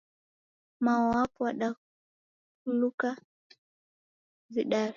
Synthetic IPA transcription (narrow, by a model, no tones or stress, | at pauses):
maɔwapɔaɗa | uluka | ziɗaɾi